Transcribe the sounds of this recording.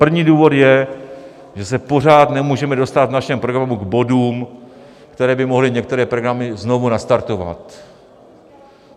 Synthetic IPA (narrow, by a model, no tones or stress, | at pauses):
pr̩vɲiːduːvo̞t̪jɛ | ʒɛsɛpo̞r̝aːt̪nɛmuːʒɛmɛdo̞st̪at̪vnaʃɛmpɾo̞ɡɾamuɡbo̞duːm | kt̪ɛɾɛːbɪmo̞ɦlɪɲɛk̚t̪ɛɾɛːpɾoɡɾamɪzno̞vunast̪aɾt̪o̞va̰t̪